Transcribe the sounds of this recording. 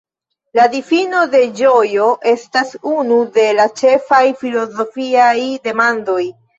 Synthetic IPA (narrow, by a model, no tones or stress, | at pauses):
ladifino̞de̞d͡ʒo̞jo̞ʔe̞stasunude̞lat͡ʃe̞fajfilo̞zo̞fiajde̞mando̞j